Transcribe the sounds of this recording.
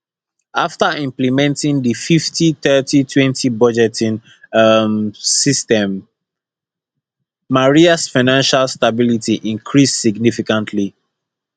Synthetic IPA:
aftaʔĩmplimɛ̃ntĩŋdififtʰiθɜtitʰwɛ̃ntʰibɔd͡ʒɛtʰĩn | msistɛ̃m | aɹiasfaɪnãnʃalstabilitiʔĩŋkʰɹissiɡnifikãntʰli

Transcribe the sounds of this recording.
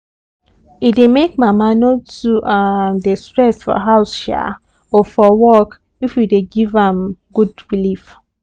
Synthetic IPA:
idemekmamanotuʔadestɹɛsfɔ̰ɦaʊsʃɛ̰ | ofɔwɔk | ifwideɡivãmɡudɹilif

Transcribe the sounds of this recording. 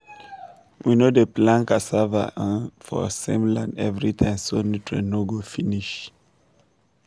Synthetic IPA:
winodəplãnkasava̰ʔãnfɔ̰sḛ̃mlã̰ndɛvɹitʰãɪ̃msonitʰɹḛnoɡofiniʃ

